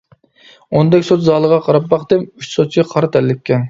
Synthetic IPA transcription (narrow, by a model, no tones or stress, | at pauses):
ond̪ɛkʲsot̪zɑlˠəʁɑqʰɑɾɑpːɑχqd̪ɨmyt͡ʃsot̪̚t͡ʃʲɛqʰɑɾɑt̪ʰɛlːɪkʲːɛn